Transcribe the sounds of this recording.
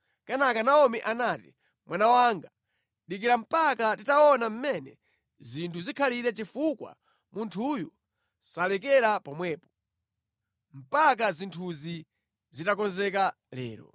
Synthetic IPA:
kanakanaɔmiʔanaːti | mwʔanawaŋɡa | ɗik̬iɾam̩pakatitaɔnam̩mɛnɛ | zintʰuzikʰaliɾɛt͡ʃifukwa̰ | mʔuntʰujɔ | salɛkɛɾapɔmwɛːpɔ̥ | m̩pak̬azintʰuzi | zitakɔnzɛka | lɛ̰ːɾɔ̰

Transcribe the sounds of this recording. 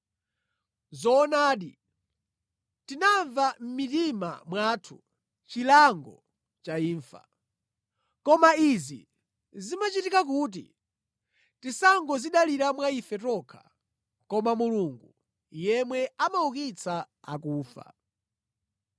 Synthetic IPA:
zɔːnaːɗi | tinaɱvam̩mitima̰mwatʰu | t͡ʃilaŋɡɔ | t͡ʃaiːɱfa̰ | kɔmaizḭ | zimat͡ʃitikakuːt̬ḭ | tisaŋɡɔziɗaliɾamwaifɛtɔkʰḁ̰ | kɔmamuluŋɡu | jɛmwɛamaukit͡sʰa | a̰kuːfa̰

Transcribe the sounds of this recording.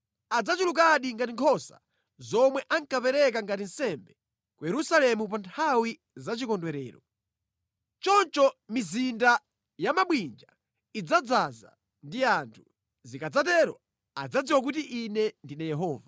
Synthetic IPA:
ad͡zat͡ʃiluk̬aɗiŋɡatiŋkʰɔsa̰ | zɔmwɛʔaŋkapɛɾɛkaŋɡatin̩sɛmbɛ | kujɛɾusalɛmup̬antʰawi | zat͡ʃikɔndwɛɾɛ̰ːɾɔ̰ | t͡ʃɔnt͡ʃɔmizinda | jamaɓwind͡ʒa | id͡zad͡zaza̰ | ndiantʰu̥ | zikad͡zatɛɾwɔ | a̰d͡zad͡ziwak̬utiʔinɛndinɛjɛɦɔːva

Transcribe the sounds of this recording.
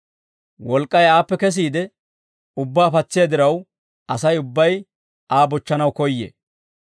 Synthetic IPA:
wɔlkʼːɐjaːpːɛkɛs̬iːd̪ɛ | ʊbːaːfɐt͡sːɪjad̪ɪɾɐw | ɐsɐjʊbːɐj | aːbɔt͡ʃːɐnɐwkɔjːḛ

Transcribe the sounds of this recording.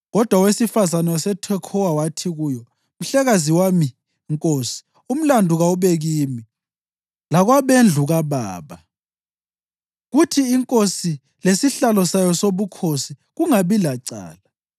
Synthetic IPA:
ɣɔd̥ʱwawesifazanwasɛtʰwɛkʰɔwawatʰiɣujɔ | m̩ɬɛɣaziwami | ŋkʼoːsi̥ | um̩landʱuɣauβeɣiːmi | laɣwaβend͡ɮʱuɣaβa̰ːβa | ɣutʰiːŋkʼosi | lesiɬalɔsajɔsoβukʰosi | ɣuŋaβilaǀa̰ːla

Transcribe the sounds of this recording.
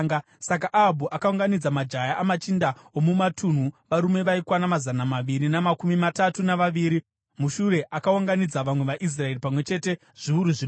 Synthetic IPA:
ɡa | sak̬aʔaɦabʱuʔakauŋɡanid͡zamad͡ʒajaʔamat͡ʃindaomumatʰun̤uʋaɾume̞ʋaikwanamazanamaʋiɾinamakumimatatunaʋaʋiːɾi | muʃuɾe̞ʔakaoŋɡanid͡zaʋamwe̞ʋaʔis̬rae̞ripamwe̞t͡ʃe̞te̞ | ʐ̥iuɾuʐin

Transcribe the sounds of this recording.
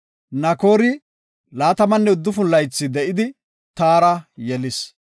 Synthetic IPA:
nɐko̞ːɾɪ | laːt̪ɐmɐnːɛʊd̪ːʊfʊnlɐjt͡sːɪd̪ɛʔɪd̪ɪ | t̪aːɾɐjɛlɪs

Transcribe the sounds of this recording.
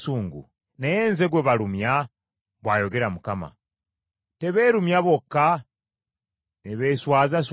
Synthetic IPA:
suːŋɡṵ | nejeːnzeɡweβaɾumja | βwaːjo̞ɡe̞ɾamukama̰ | te̞βe̞ːɾumjaβo̞kːa | neβeːswaːzas̬

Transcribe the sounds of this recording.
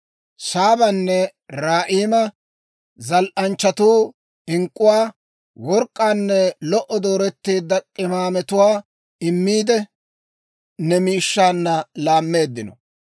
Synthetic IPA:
saːbɐnːɛɾaːʔiːmɐ | zɐlʔɐnt͡ʃːɐt̪uː | ɪŋkʼːʊwaː | wɔɾkʼːaːnːɛlɔʔɔd̪o̞ːɾɛt̪ːiːd̪ːɐkʼːɪmaːmɛt̪ʊwaː | ɪmːiːd̪ɛ | nɛmiːʃːaːnːɐlaːmːe̞ːd̪ːɪnɔ̰

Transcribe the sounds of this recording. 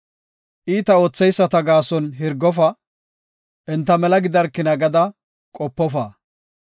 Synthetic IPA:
ʔiːt̪ɐoːt͡sːɛjsːɐt̪ɐɡaːsɔnɦɪɾɡɔf̬ɐ | ʔɛnt̪ːɐmɛlɐɡɪd̪ɐɾkːɪnɐɡɐd̪ɐ | kʼɔpːɔfaː

